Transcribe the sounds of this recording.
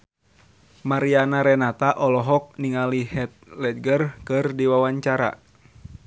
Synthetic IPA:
maɾianaɾɛnat̪aʔɔlɔɦɔk̚niŋalihɛt̪̚lɛt̪̚ɡərkɨrdiwawaɲt͡ʃaɾa̰

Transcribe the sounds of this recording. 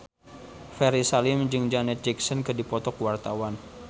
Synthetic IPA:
fɛɾisalɪmd͡ʒɨŋd͡ʒanɛt̪̚d͡ʒɛksɔnkɨdipɔt̪ɔkwart̪awan

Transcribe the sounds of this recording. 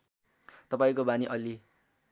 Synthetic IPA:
t̪ʌpaĩkobaniʔʌli

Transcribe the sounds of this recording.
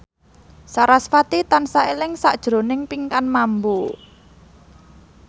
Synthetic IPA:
saɾasfat̪it̪ansaelɪŋsaʔd̥ʒ̥ɾo̤nɪŋpiŋkanmambu

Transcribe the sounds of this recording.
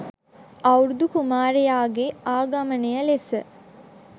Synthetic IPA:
ɐwɾud̪ukumaːɾejaːɡeaːɡamənejəlesə

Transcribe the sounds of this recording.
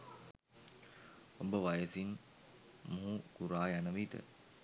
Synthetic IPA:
obəʋajəsin | moɦuɡ̥uɾaːjanəʋiʈə̰

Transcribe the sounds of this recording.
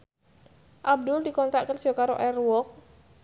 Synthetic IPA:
ʔab̚d̪ʊld̪ikɔnt̪aʔkɪr̥ʒ̥ɔ̤kaɾo̰ʔɛrwɔk̚

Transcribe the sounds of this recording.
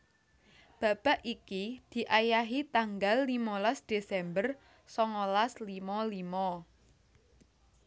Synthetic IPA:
b̥a̤b̥a̤ʔikid̪̥i̤ʔajaɦit̪aŋɡalːimɔlasd̪̥esɛmbər | sɔŋɔlaslimɔlimɔ

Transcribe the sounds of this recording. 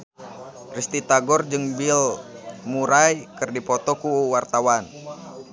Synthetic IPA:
rist̪it̪aɡɔrd͡ʒɨŋbilmuɾajkɨrdipɔt̪ɔkuwart̪awan

